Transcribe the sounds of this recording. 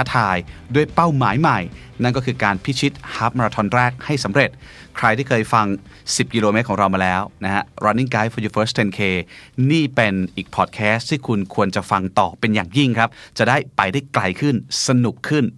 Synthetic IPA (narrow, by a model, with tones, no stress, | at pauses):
a˦˥t̪ʰaː˧jdu˥˩əjpa˥˩wmaː˩˦jma˨˩j | na˥˩nk̬ɔː˥˩kʰɯː˧kaː˧npʰi˦˥t͡ɕʰi˦˥t̪̚haː˦˥p̚ma˧ɾaː˧t̪ʰɔ˧nɾɛː˥˩k̚ha˥˩jsa˩˦mɾe˨˩t̪̚kʰɾa˧j̪ʰiː˥˩kʰɤː˧jfa˧ŋsi˨˩p̚ki˧loː˧me˦˥kʰɔ˩˦ɾa˧wmaː˧lɛː˦˥wna˦˥ha˦˥ɾɔ˧nːi˥˩kaː˦˥jfʰɔː˧˩juː˧fəː˦˥st̪ʰe˧nkʰeː˧niː˥˩pe˧nʔiː˨˩k̚pʰɔː˨˩t̪̚kʰɛː˦˥st̪ʰiː˥˩kʰu˧nkʰu˧ənt͡ɕa˨˩fa˧ŋt̪ɔː˨˩pe˧njaː˨˩ŋji˥˩ŋkʰɾa˦˥p̚t͡ɕa˨˩ʔdaː˥˩jpa˧jdaː˥˩jkla˧jkʰɯ˥˩nsa˧nu˨˩kʰːɯ˥˩n